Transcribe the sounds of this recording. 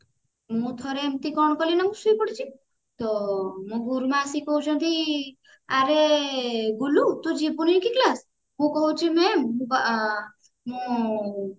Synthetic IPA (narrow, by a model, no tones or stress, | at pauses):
mũt̪ʰɔɾemt̪ikɔɳ̃kɔlinamusuipəɽit͡ʃʰi | t̪ɔmũɡʱuɾmãsikɔɦut͡ʃʰɔnt̪ʰi | aɾe | ɡulut̪ud͡ʒibunikiklas | mũkɔɦut͡ʃʰimɛ̃ũba | mũ